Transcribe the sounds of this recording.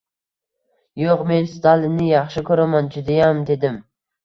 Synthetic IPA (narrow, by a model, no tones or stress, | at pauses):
joqme̞nst̪ʰalˠɪnːɪjɑχʃɪkʰʲɵɾamand͡ʒʊd̪ajamd̪e̞d̪ɪm